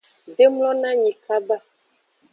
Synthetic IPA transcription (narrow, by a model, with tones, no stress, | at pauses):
ɖe˦mlɔ̃˦nã˦ɲi˨ka˦ba˦